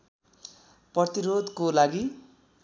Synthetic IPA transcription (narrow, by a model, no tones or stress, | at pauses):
prʌt̪iɾod̪kolaɡi